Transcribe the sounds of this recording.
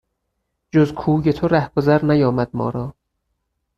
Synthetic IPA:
d͡ʒozkʰuːɟet̪ʰoɾæhɡ̥ozæɾnæjɒːmæd̪̥̚mɒ̰ːɾɒː

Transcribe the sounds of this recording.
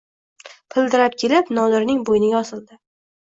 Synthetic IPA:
pʰɪld̪ɪɾap̚kʲʰelɪpnɒlɪɾnɪŋbojnɪɡʲaɒsɪld̪ɪ

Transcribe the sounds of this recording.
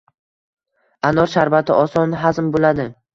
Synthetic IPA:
anɒɾʃaɾvat̪ʰɪʔɒsɒnɦazmbolad̪ɪ

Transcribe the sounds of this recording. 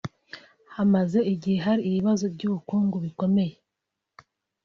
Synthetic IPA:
hamaze̞iɟihe̞ɦaɾiːβiβazo̞bɟuːβukuːŋɡuβiko̞me̞je̞

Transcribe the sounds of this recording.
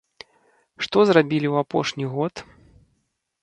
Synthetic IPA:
ʂt̪ɔzrabʲilʲiwapɔʂnʲiɣɔt̪

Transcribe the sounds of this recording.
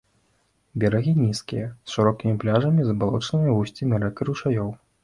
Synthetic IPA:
bʲɛɾaɣʲinʲiskʲijɐsʂɨɾɔkʲimʲiplʲaʐɐmʲizɐbalˠɔt͡ʂnɨmʲivusʲt͡sʲimʲiɾɛkɨɾuʂajɔw

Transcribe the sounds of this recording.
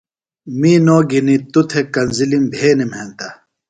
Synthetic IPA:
miːnoːɡinit̪ut̪ʰekɐnzilimbʱeːnimɦent̪ɐ

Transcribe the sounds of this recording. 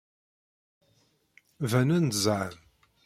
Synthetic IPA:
vænænd̪zˤʕəm

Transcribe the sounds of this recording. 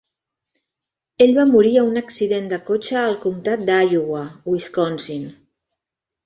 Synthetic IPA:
eʎβamuɾiəunəksiðend̪əkot͡ʃəːlˠkumt̪at̪̚d̪ajuɣwəwiskɔnsin

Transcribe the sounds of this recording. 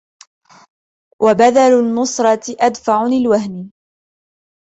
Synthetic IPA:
wʔabad̪alʊnːʊsˤɾˤɑt̪ʔad̪faʕʊnɪlwaɦnɪ

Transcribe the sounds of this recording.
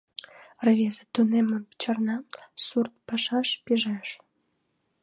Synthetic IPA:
rəβʲezet̪uneməpt͡ɕɑrnɑsurt̪̚pɑʃɑʃpiʒeʃ

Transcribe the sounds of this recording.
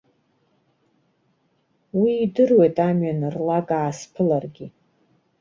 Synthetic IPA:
wiːdɨrwejtʼamɥanɨrlakʼaːspʰɨlarɡʲi

